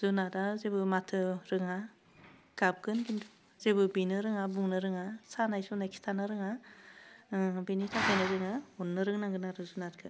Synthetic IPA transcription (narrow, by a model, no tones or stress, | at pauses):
zunadazebɯmatʰɯɾɯŋa | ɡ̥ab̚ɡɯnkintʰu̥ | zebɯbinɯɾɯŋabuŋnɯɾɯŋasanajsunajkʰi̥stʰanɯɾɯŋa | benitʰakʰajnɯɾɯŋaɔnːɯɾɯŋnaŋɡɯnaɾɯzunatkʰɯ